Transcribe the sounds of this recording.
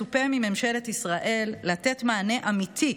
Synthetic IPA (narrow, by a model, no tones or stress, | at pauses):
upemime̞mʃe̞letisʁaʔe̞lːat̪e̞t̪maːne̞ʔamit̪ʰi